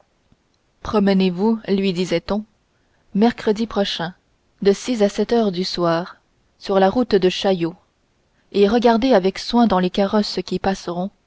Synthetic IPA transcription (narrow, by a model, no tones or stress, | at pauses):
pχɔmənevulɥid̪izɛt̪ɔ̃ | mɛʁkχəd̪ipχɔʃɛ̃ | d̪əsisasɛt̪œːʁd̪yswaːʁ | syʁlaʁut̪d̪əʃajo | eʁəɡaʁd̪eavɛkswɛ̃d̪ɑ̃lekaʁɔskʲipasʁɔ̃